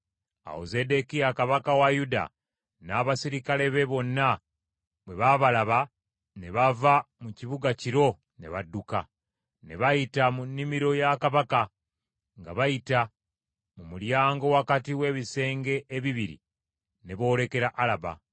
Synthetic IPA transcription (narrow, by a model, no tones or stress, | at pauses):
a̰wo̰ze̞de̞kijakaβakawajuda̰ | naːβasiɾikale̞βe̞βo̞nːa | βwe̞βaβalaβa | ne̞βavamuciβuɡaciɾo̞ | ne̞̰βadːuka | ne̞̰βajitamunːimiɾo̞jakaβaka | ŋɡa̰βajita | mumuljaːŋɡo̞wakatiwe̞ːβise̞ːŋɡe̞ʔːβiβiɾḭ | ne̞βo̞ːle̞ke̞ɾaʔalaba̰